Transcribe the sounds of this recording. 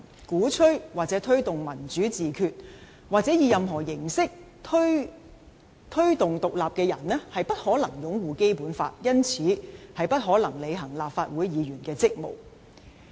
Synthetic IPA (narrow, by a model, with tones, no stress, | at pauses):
kuː˨˥t͡ʃʰɵ˥ɥwaː˨k̚t͡sɛː˨˥t̪ʰɵ˥ɥt̪ʊ˨ŋmɐ˨˩nt͡syː˨˥t͡siː˨kʰyː˧t̚ | waː˨k̚t͡sɛː˨˥jiː˧jɐ˨mɦɔː˨˩jɪ˨˩ŋsɪ˥k̚ | t̪ʰ | t̪ʰɵ˥ɥt̪ʊ˨ŋt̪ʊ˨k̚laː˨p̚kɛː˧jɐ̰˨˩nɛː˥hɐ˨jpɐ˥t̚hɔː˨˥lɐ˨˩ŋjʊ˨˥ŋwuː˨ke˥jpuː˨˥nfa̰ː˧t̚jɐ˥nt͡sʰiː˨˥hɐ˨jpɐ˥t̚ɦɔː˨˥lɐ˨˩ŋle˨˧jɦɐ˨˩ŋlaː˨p̚faː˧t̚wuː˨˥jjiː˨˧ɥyː˨˩nkɛː˧t͡sɪ˥k̚mo̰˨˩w